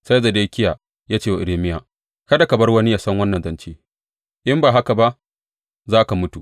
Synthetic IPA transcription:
sa˦za˨daː˦kʲɪ˦jaː˨ | jaː˦t͡ʃeː˦˨wa˨ɪ˨ɾeː˨mɪ˦jaː˨ | kɐ˦da˨kɐ˨bɐ˦rwɐ˦ni˦jaː˦sɐ˦ŋwɐ˦nːɐ˨nzɐ˦nt͡ʃeː˦ | ʔɪ˦mbaː˨ɦa˦ka˨ba˦ʔ | zaː˦ka˨mʊ˦tu˨ʔ

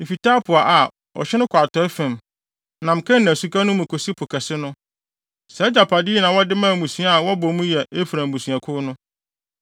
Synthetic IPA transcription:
m̩˨fi˨taː˦pʰʊ˨a˨ʔa˨ | ɔ̰˨ɕɪ˦nʊ̃˦kʷʰa˨tʰɔ˦ɛ˦fɛ̃˨m | nã˨m̩˨kʰɛ̃˦nã˨su˨kʰa˦nʊ̃˦mũ˨kʰo˨si˦pʰʊ˨kʰɛ˨sɪ˦nʊ̃˦ | sɛ˨˦d͡ʑa˨pʰa˨di˦nã˨wɔ˦dɪ˦mãː˦˨mũ˨sũ˨a˦a˨wɔ˦bɔ˨mũ˦jɛ˨ʔe˦fɾã˨m˨mũ˨su˨a˨kʰʊ˦nʊ̃˦

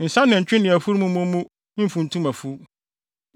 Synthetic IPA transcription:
n̩˨sã˦nːɪ̃˨ɲ̩˨t͡ɕᶣɪ˦nɪ̃˨æ˨fu˦ɾmũ˦mũ˦mũ˦ | m̩˦fũ˨n̩˨tʰũ˦mã˨fu˦

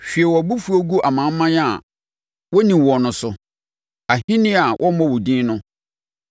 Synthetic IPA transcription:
ɕᶣi˨e˨wɔ˨bu˦fu˦o˦ɡu˦ʔa˨mã˨˦m̩˦mã˦n˦a˨ | wɔ˦nĩ˨wɔ˨nʊ̃˨sʊ˨ | a˨hĩ˦nɪ̃˦a˨wʔɔ˦mɔ̃˦wʊ˨dĩː˦nʊ̃˦

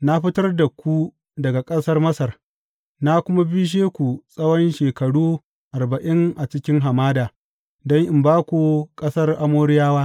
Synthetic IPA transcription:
na˦ɸɪ˦tɐ˦rda˨kʷu˦ | dɐ˨ɡa˨kʼɐ˦sɐ˦rmɐ˦sɐ˨r | na˦kʷʊ˦ma˦bi˦ʃ̬eː˦kʷu˨sʼɐ˦wɔ˦nʃeː˨kɐ˨ɽuː˦ | ʔa˨rbɐ˨ʔɪ˦ŋʔa˨t͡ʃɪ˦kʲɪ˦ŋɦa˨maː˦daː˨ | dɔ˦ŋʔɪ˨mbaː˦kʷu˨kʼɐ˦sɐ˦rʔa˦moː˦ɾɪ˦jaː˦waː˦

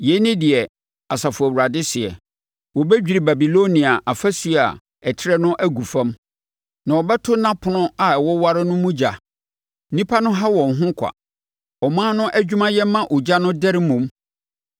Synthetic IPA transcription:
jɛ˨˦nɪ̃˦dɪ˨ɛ˨ | a˨sa˨fʊ˨æ˨u˨ɾa˨dɪ˦sɪ˨ɛ̰˨ | wɔ˨bɛ˦d͡ʑᶣi˨ɾi˨ba˨bi˨lo˦nĩ˨a˨ʔa˨fæ˦su˨˦˨a̰˨ | ɛ˨tʰɪ˦ɾɛ˦nʊ̃˦ʔæ˦ɡu˨fã˦m | nã˨ɔ˨bɛ˦tʰʊ˦nã˦pʰʊ˨nʊ̃˦a˨ɛ˨wɔ˦wa˦ɾɪ˦nʊ̃˦mũ˦d͡ʑa˨˦ | nĩ˦pʰa˦nʊ̃˦ɦa˦wɔ̃˨n˨ɦʊ̃˦kʷʰa̰˨ | ɔ˨mãː˦nʊ̃˦ʔæ˦d͡ʑᶣu˦mã˦jɛ˦mːã˦ʔʊ˨d͡ʑa˦nʊ̃˦dɛ˦ɾɪ˦mũ˨m

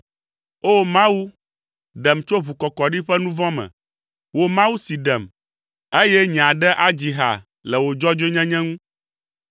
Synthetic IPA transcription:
o˦mã˦wu˦ | ɖɛ˨mt͡ʃo˦βu˨kɔ˨kɔ˨ɖi˦ɸɛ˦nũ˦vɔ̃˦mɛ̰̃˨ | wo˨mã˦wu˦si˨ɖɛ˨m | e˦jɛ˦ɲ˨ã˨ɖɛ˦ʔa˦d͡ʑi˨ɦa̰˨ | lɛ˨wo˨d͡ʒɔ˦d͡ʒe˦ɲɛ̃˦ɲɛ̃˦ŋũ˦

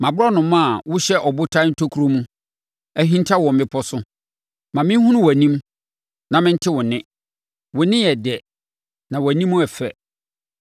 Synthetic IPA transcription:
mã˨bʊ˦ɾɔ˦nʊ̃˨mã˦˨wʊ˦ɕɛ˦ʔɔ˨bʊ˦tʰã˦n̩˦tʰo˦kʰu˦ɾo˦mũ˦ | æ˦ɦĩ˦n˦tʰa˦wɔ̃˨mɪ̃˦pʰɔ˦sʊ˦ | mã˨mɪ̃˦hũ˦nʊ̃˦wæ˨nĩ˦m | nã˨mɪ̃˦n̩˦tʰɪ˦wʊ̃˨nɪ̃˦ | wʊ̃˨nɪ̃˦jɛ˨dɛ˨ | nã˨wæ˨nĩ˦mːũ˦ɛ˨fɛ̰˨

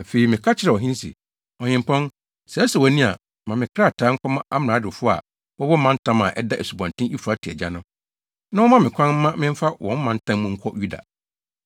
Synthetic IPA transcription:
a˨fe˨i˨mɪ̃˨kʰa˦t͡ɕʰɪ˦ɾɛ˨ɔ˨ɦɪ̃˦n˦sḭ˨ | ɔ˨ɲɪ̃˨m˨pʰɔ̃˦n | sɛ˨˦sɛ˨wɔ˨nĩ˦a̰˨ | mã˨mɪ̃˨kʰɾa˦˨tʰaː˨˦ŋ̩˦kʷʰɔ˦mã˦ʔa˦m˨ã˨˦dɪ˨fʊ˦a̰˨ | wɔ˦wɔ˦mã˦n̩˦tʰã˦mã̰˨ʔɛ˦da˦ʔɛ̰˨su˨bɔ̃˨ntʰɪ̃˦i˦fu˨ɾa˨˦tʰi˨ɛ̰˨d͡ʑa˦nʊ̃˦ | nã˦wɔ˦mã˦mɪ̃˨kʷʰã˦n̩ː˦ã˦mɪ̃˦m̩˦fa˦wʔɔ̰̃˨˦m̩˦mã˨n̩˦tʰã˦mmũ˦ŋ̩˦kʷʰɔ˦ju˦da̰˨

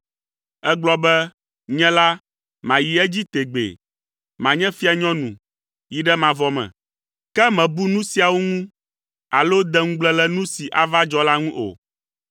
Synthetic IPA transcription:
ɛ˦ɡ͡blɔ˦bɛ˦ | ɲɛ̃˦la˦ | mã˨ji˨ɛ˦d͡ʑi˦t̪e˨ɡ͡bḛ˨ | mã˨ɲɛ̃˦fi˦a˨ɲɔ̃˦nũ˨ | ji˨ɖɛ˦mã˨vɔ˨mɛ̰̃˨ | kɛ˦mɛ̃˨bu˦nũ˦si˨˦a˨wo˦ŋũ˦ | a̰˨lo˦d̪ɛ˦ŋũ˦ɡ͡blɛ̃˦lɛ˦nũ˦si˨ʔa˨va˦d͡ʒɔ˦la˦ŋũ˦ʔo̰˨

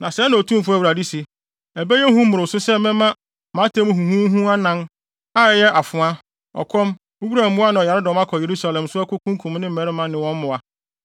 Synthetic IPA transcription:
nã˨sɛ˨˦nã˨o˨tʰũ˦m˨fʊ˦æ˨u˨ɾa˨di˦si˨ | æ˨bɛ˦jɛ˦hũ˦m˦ʊ̃˨ɾɪ˨sʊ˦sɛ˦mɛ̃˦mã˦ | mã˨˦tʰẽ˦m̃˦hũ˨hũ˦ɦũ˦a˦nã˦n | a˦˨jɛ˦ʔa˨fʊ̃˨a˦ | ɔ̰˨kʰɔ̃˦m | o˦wu˦ɾa˨m̩˦bũ˦a˦nã˨ɔ˨ja˨ɾɪ˦dɔ˨mã˦kʰɔ˨je˨ɾu˦sa˨lɛ̃˨msʊ˦æ˦kʊ˦kʰũ˦ŋ˦kʰũ˨mnɪ̃˦m̩˦˨ɛ˨ɾɪ˦mã˦nɪ̃˨wɔ̃˦m˦mʊ̃˨a˦

